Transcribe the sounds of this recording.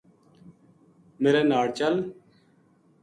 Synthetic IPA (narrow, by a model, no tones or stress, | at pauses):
meːɾeːnaːɽt͡ʃəl